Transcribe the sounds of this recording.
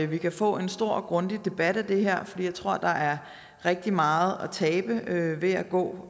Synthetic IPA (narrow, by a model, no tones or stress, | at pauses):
ʋikʰæfɔ̰̽ːe̝nsd̥o̝ɐ̰ɡ̥ʁɔ̽nd̥id̥e̝b̥æd̥æd̥e̝ɦeɐ̰fɒd̥ḭːjɑ̈ɪt͡sʰʁo̝ɐ̰d̥ɑ̈ʔæɐ | ʁeɡ̥̚d̥imɑ̈ːð̞̩ˠɒt͡sʰɛːb̥əøʋe̝æɡ̥ɔ̰̽ː